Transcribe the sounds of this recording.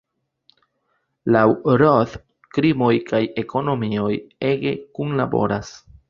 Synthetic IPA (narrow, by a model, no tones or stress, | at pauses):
lawɾoθ | kɾimo̞jkaje̞kʰo̞no̞mio̞je̞ɡe̞̰kunlabo̞̰ɾas